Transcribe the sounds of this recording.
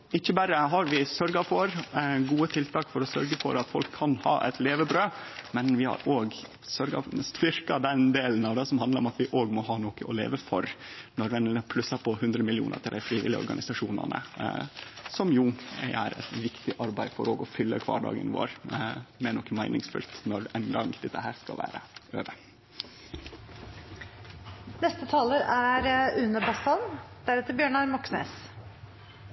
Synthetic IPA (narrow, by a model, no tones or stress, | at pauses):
ɪçːəbæɾəɦɑɾʋɪsœɾɡɑfɔɾɡuːət̪ʰɪlt̪ʰɑːkfɔɾɔsœɾɡəfɔɾɑt̪fɔlkʰːɑnhɑ̰ːʔɛt̪leːʋəbɾøːmɛnʋɪhɑ̰ɾoːɡ | sœɾɡɑ̰st̪ʋɪɾkɑd̪ɛnd̪eːlənɑʋd̪ɛsɔmhɑnd̪ɾɔmɑt̪ʋɪʔoːɡmɔɦɑːnoːkəɔlḛːʋəfɔɾnɔɾʋɛnləpʰlʉsɑpʰɔhʉnd̪ɾəmɪlɪṵːnə̰t̪ʰɪlæɪfɾiːʋɪ̰lːɪ̰ɔ̰ɾɡɑ̰nɪsɑʂuːnɑ̰nə̰ | sɔmjuːʔæ̰ɾɛ̰t̪ʋɪkt̪ɪʔɑɾbæɪfɔɾoːɡɔfʏlːəkʰʋɑ̰ːɖɑ̰ːɡə̰nʋo̰ːɾmɛnɔkːəmæɪnɪŋsfʉ̰lt̪nɔɾɛnɡɑŋd̪ɛt̪ːəhæːɾskɑ̰ʋæ̰ːɾəøːʋə | nɛst̪ət̪ʰɑːləɾæɾʉnəbɑst̪ɑnd̪̥æɾɛt̪əɾbjøːɳɑɾmɑksnḛːs